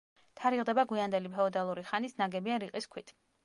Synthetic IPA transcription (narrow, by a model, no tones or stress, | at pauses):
t̪ʰaɾiʁˠd̪ɛbaɡwiand̪ɛlipʰɛɔd̪alˠuɾiχanisnaɡɛbianɾiqʼiskʰwit̪ʰ